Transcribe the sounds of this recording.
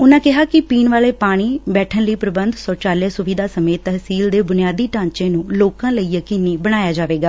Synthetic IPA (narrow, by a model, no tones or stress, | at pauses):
ʊnãːkɪɦaːkɪpiːnʋaːleːpaːɽ̃iːbɛːʈʰənləiːpɾəbənd̪sɔːt͡ʃaːljeːsʊʋiːd̪aːsəmeːt̪əɦsiːld̪eːbʊnɪjaːd̪iːʈãːɲt͡ʃẽːnũːloːkãːləiːjəkinːiːbəɽ̃aːjaːd͡ʒaːʋeːɡaː